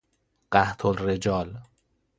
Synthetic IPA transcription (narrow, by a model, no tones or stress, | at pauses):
ɢ̥æht̪ʰolred͡ʒɒːl